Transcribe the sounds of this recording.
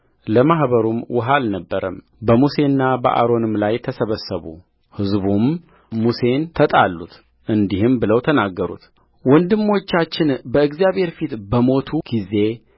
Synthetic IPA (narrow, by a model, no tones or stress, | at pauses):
ləmahβəɾumwɔɦalnəbːəɾəm | bəmuse̞nːabə̰ʔa̰ɾo̞nɨmlajt̪ʰəsəβəsːəβṵ | hɨzbum | muse̞nt̪ʰət̪ʼalːṵt̪ | ʔɨnd̪ihɨmbɨləwt̪ʰənaɡːəɾṵt̪ | wɔnd̪ɨmːo̞t͡ʃːat͡ʃːɪnbəɨɡzjaβhe̞ɾfit̪bəmo̞t̪ʰuɡ̥ize̞